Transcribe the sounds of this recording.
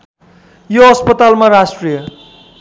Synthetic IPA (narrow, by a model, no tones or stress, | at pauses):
joʌspʌt̪almaɾasʈrijʌ